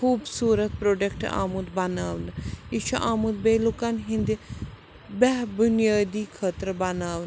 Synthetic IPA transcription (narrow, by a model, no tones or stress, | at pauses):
kʰuːbsuːɾət̪̚pɾoːɖekʈa̰ːmud̪bɐnaːʋnɪt͡ʃʰoʔaːmud̪̚beːlokaːnɦɪ̃nd̪eː | bɛːbʊnɪjaːd̪iːkʰəːt̪əɾbanaːʋn